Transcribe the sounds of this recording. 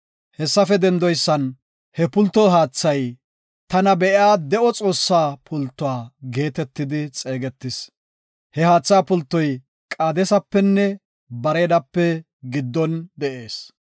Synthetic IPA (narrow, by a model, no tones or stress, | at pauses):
hɛsːɐfɛd̪ɛnd̪ɔjsːɐn | hɛpʊlt̪ːɔɦaːt͡sːɐj | t̪ɐnɐbɛʔɪaːd̪ɛʔɔt͡sʼo̞ːsːaːpʰʊlt̪ːʊaːɡe̞ːt̪ɛt̪ːɪd̪ɪt͡sʼeːɡɛt̪ːɪs | hɛhaːt͡sːaːpʊlt̪ːɔj | kʼaːd̪ɛsɐpːɛnːɛ | bɐɾeːd̪ɐpːɛ | ɡɪd̪ːɔnd̪ɛʔe̞ːs